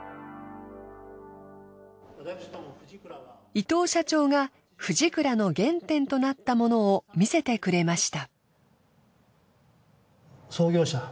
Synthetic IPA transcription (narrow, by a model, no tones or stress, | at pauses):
it̪o̞ːɕat͡ɕo̞ːŋa | ɸɯ̟ʑikɯ̟ɾano̞ɡẽ̞nt̪ẽ̞nt̪o̞nat̪ːamo̞no̞ːmʲise̞t̪e̞kɯ̟ɾe̞maɕi̥t̪a | soːɡʲo̞ːɕa